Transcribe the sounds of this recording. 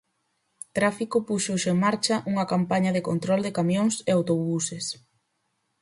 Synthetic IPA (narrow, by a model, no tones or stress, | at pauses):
t̪ɾafikʊpuʃoʃoeŋmaɾt͡ʃɐʔuŋɐkampaɲɐðekont̪ɾɔld̪ekamjoŋseawt̪oβuses